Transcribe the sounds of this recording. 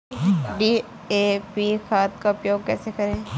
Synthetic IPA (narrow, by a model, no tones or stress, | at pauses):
ɖiː | eːpixaːt̪̚kaʊpjoːɡ̚kɛːsekɐɾẽː